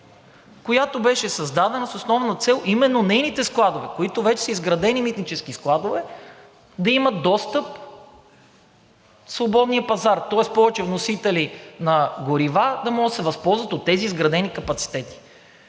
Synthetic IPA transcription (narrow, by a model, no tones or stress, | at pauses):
kojat̪obɛʃɛsɐzd̪ad̪ɛnɐsosnɔvnɐt̪sɛlˠʔimɛnːonɛjnit̪ɛsklˠad̪ovɛkoit̪ovɛt͡ʃɛ̥səizɡɾɐd̪ɛnimit̪nit͡ʃɛskisklˠad̪ovɛ | d̪ɐimɐt̪̚d̪ɔst̪ɤp̚ | svobɔd̪nijəpɐzaɾt̪ɔɛspɔvɛt͡ʃɛvnosit̪ɛlinɐɡoɾivad̪ɐmɔɡət̪sɛvɐspɔlˠzvət̪ot̪ːɛziːzɡɾɐd̪ɛnikɐpɐt̪si̥t̪ɛt̪i̥